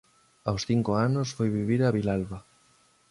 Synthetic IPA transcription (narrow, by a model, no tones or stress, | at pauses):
awsθiŋkoanʊsfojβiβiɾaβilalβa